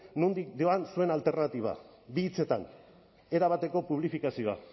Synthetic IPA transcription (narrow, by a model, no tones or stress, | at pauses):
nund̪ikd̪ioansue̞nalt̪e̞ɾrnat̪iβ̞a̰ | biːt͡se̞t̪a̰n | e̞ɾaβ̞at̪e̞ko̞puβ̞lifikasioa̰